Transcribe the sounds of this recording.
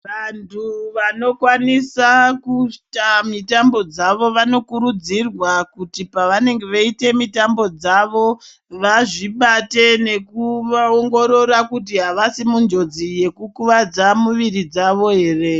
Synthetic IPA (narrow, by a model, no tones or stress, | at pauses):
ʋantʰuʋano̞kwanisakutamitambo̞d͡zaʋo̞ʋano̞kuɾud͡zirwakutipaʋane̞ŋɡe̞ʋaite̞mitambo̞d͡zaʋo̞ | ʋaʐiɓate̞ne̞kuʋaoŋɡo̞ɾo̞ɾakut̬iɦaʋasimund͡ʒo̞d͡zije̞kukuʋad͡zamuʋirid͡zaʋo̞ɦe̞ːre̞